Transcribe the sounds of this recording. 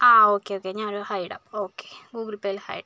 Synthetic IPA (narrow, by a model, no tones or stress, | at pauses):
aːoːkːeoːkːeɲaːnoɾuhɐjɽa̰pːoːkːe̥ɡuːɡɾupːejilhɐ̰jɽa